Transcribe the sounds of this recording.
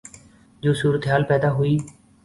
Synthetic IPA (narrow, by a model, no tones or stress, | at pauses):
d͡ʒoːsuːɾət̪eɦaːlpɛːd̪aːɦʊiː